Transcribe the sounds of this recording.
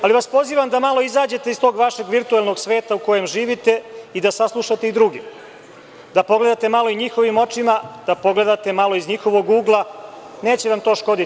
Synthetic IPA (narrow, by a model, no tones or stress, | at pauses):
aliʋaspo̞ziːʋamd̪amalo̞izaːd͡ʑe̞t̪e̞ist̪o̞ːɡʋaʃe̞ɡʋiɾt̪uelˠno̞ɡsʋe̞ːt̪auko̞je̞mʒiːʋit̪e̞id̪asaslˠuʃat̪eid̪ɾuɡim | d̪apo̞ɡle̞d̪at̪e̞malo̞iɲixo̞ʋimo̞t͡ʂimad̪̥apo̞ɡle̞d̪at̪e̞malo̞izɲixo̞ʋo̞ɡuːɡlˠa | ne̞ːt͡ɕeʋamt̪o̞ːʃko̞d̪i